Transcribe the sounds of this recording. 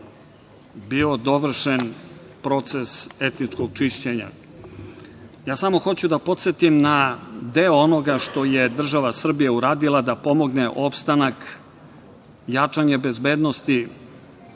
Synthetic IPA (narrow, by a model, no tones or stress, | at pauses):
bio̞d̪o̞ʋr̩ʃen | pɾo̞t̪se̞se̞t̪nit͡ʂkoɡ̚t͡ʃiʃt͡ɕe̞ɲa̰ | jaːsamo̞xo̞t͡ɕud̪apo̞t̪se̞t̪imnad̪eoonoɡaʃt̪o̞je̞d̪r̩ʒaʋasr̩bijeuɾaːd̪ilˠad̪apo̞mo̞ɡne̞ʔo̞pst̪anak | jat͡ʂaɲebe̞zbe̞ːd̪nost̪i